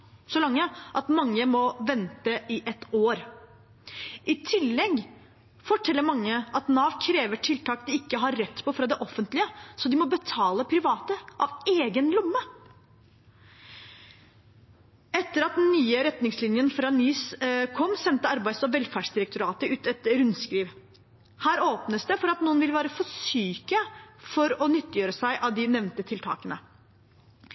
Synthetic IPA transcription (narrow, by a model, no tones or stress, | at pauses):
sɔlɑŋːəʔɑt̪mɑŋːəmɔʋɛnt̪əʔɪʔɛt̪ːoːɾ | ʔɪt̪ʰɪlːɛɡ | fɔʈʰɛlːəɾmɑŋːəʔɑt̪nɑːʋkʰɾeːʋəʈʰɪlt̪ʰɑːkd̪ɪɪkːəɦɑɾːɛt̪ːpʰɔfɾɑd̪ɛʔɔfənt̪lɪəsɔd̪ɪmɔbət̪ʰɑːləpʰɾɪʋɑːt̪əʔɑʋeːɡənlʊmːə | ɛt̪ːəɾɑt̪̚d̪ɛnːyːəɾɛt̪nɪŋslɪnjənfɾɑːnyːskʰɔmːsɛnt̪əɑɾbæɪsɔʋɛlfæːɖʂd̪ɪɾəkt̪ʊɾɑːt̪əʉːt̪ɛt̪ɾʉnskɾiːʋ | hæːɾoːpnəsd̪ɛfɔɾɑt̪nuːənʋɪlʋæːɾəfɔʂyːkəfɔɾɔnʏt̪ːɪjøːɾəsæɪʔɑʋd̪ɪnɛʋnt̪ət̪ʰɪlt̪ʰɑ̰ːkənə